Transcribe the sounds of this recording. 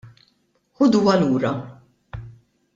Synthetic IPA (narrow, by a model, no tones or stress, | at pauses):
ħʊd̪uwɐluːɾɐ